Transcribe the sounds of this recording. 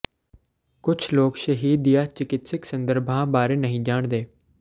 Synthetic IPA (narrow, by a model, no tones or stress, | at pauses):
kʊt͡ʃʰloːkʃəɦiːd̪ɪjaːt͡ʃɪkɪt̪sɪksə̃nd̪əɾbʱãːbaːɾeːnəɦĩːd͡ʒaːɳd̪eː